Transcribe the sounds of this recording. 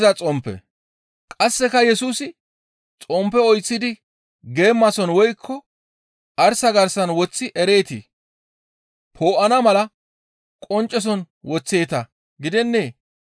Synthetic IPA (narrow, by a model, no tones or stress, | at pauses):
zɐt͡sʼɔmpːɛ̰ | kʼɐsːɛkɐjɛsuːsɪ | t͡sʼɔmpːɛɔjt͡sːɪd̪ɪ | ɡe̞ːmːɐsɔnwɔjkʰːɔ | ʔɐɾsɐɡɐɾsɐnwɔt͡sːɪʔɛɾe̞ːt̪i | pʰo̞ːʔɐnɐmɐlɐ | kʼɔnt͡ʃʼːɛs̬ɔn | wɔt͡sːe̞ːt̪ɐ | ɡɪd̪ɛnːeː